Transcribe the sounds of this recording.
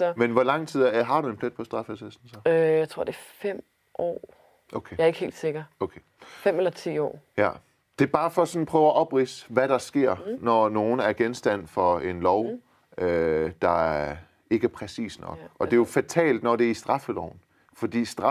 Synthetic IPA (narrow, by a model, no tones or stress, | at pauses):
menʋɒlɑ̈ŋ̰t͡sʰið̰ˠɦɑ̈ɾ̥ue̝npʰled̥̚pʰɒ̽sd̥ʁɑ̈fesesn̩sɒøjaɪt͡sʰʁo̝ɐd̥e̝fem̰ | ʔɒ̰ː | ʔokʰejɑe̝ɡ̥əhe̝̰ːld̥se̝ɡ̥ɐokʰe | fem̰elɐt͡sʰḭːɒ̰ːjæ | d̥e̝b̥ɑ̈ːfɒ̽sɒ̽n̩pʰʁœːʊæʔɒ̽b̥ʁiːsʋæɾ̥ɑ̈sɡ̥e̝ɐ̰nɒno̝ːn̩æɐɡ̥ensd̥æn̰fɒ̽e̝nlɒʊ | ød̥ɑ̈æɐ | e̝ɡ̥əpʰʁɛsḭːsnɒ̽ɡ̥ɒ̽d̥e̝jo̝fæt͡sʰɛ̰ːld̥nɒd̥e̝æɐisd̥ʁɑ̈fəlɒʊn̩ | fɒ̽d̥ḭːsd̥ʁɑ